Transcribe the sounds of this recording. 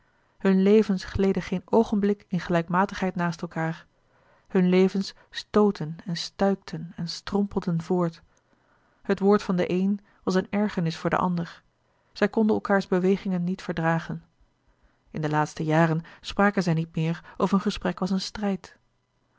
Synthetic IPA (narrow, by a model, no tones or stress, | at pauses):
hɵnlejvənsχlejdəχejnowχənblɪkɪnχəlɛjkmaːtəχɦɛjtnaːstɛlˠkaːɹ | hɵnlejvəns | stowtʰənɛnstœɥk̚tʰənɛnstrɔmpəl̩ˠdənvʊːɹt | hətʋʊːɹtfɑndə̰ʔejn | ʋɑsənɛɹχənɪsfʊːɹdə̰ʔɑ̰ndəɹ | z̥ɛjkɔndənɛlˠkaːɹzbəʋejχɪŋənːitfəɹdraːχən | ɪndəlaːtstəjaːrənspraːkənzɛjnit̚mɪːɹʔofəənχəsprɛkʋɑsənstrɛjt